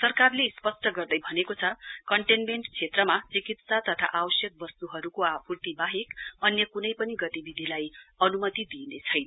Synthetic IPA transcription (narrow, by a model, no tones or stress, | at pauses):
sʌrkarlespʌsʈʌɡʌrd̪ʌjbʱʌnekot͡sʰʌkʌɳʈenmeɳʈt͡sʰet̪rʌmat͡sikit̪sat̪ʌt̪ʰa̰ʔabʌsjʌk̚bʌst̪uɦʌɾukoapurt̪ibaɦekʌnjʌkunʌjpʌniɡʌt̪ibid̪ʱilajʌnumʌt̪id̪inet͡sʰʌjnʌ